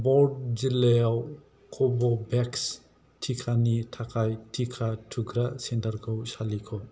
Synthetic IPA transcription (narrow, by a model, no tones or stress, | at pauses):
bɔɾd̚d͡ʒilejaw | kʰɔbɔbɛks | tʰikʰanitʰakʰajtʰikʰatʰuɡɾasendaɾɡʰɔwsalikʰɔ